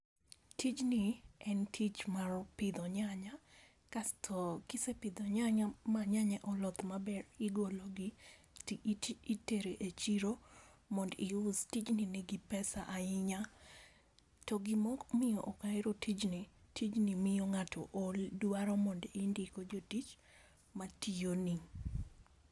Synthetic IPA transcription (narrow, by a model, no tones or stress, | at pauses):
tʰit͡ʃnɪɛntʰit͡ʃmarpɪd̪ɔɲaɲa | kastʰɔkɪsepɪd̪ɔɲaɲamaɲaɲɛʔɔlɔt̪mabɛrɪɡoloɡɪ | teɾeʔet͡ʃiɾomɔndɪʊstit͡ʃninɪɡɪpɛsaʔaɪɲa | tɔɡɪmɔkmɪjɔ̰ʔɔkaeɾotʰid͡ʒnɪtʰid͡ʒnɪmɪjɔŋatʰɔ̰ʔoldwaɾɔmɔndindikod͡ʒotit͡ʃ | mationi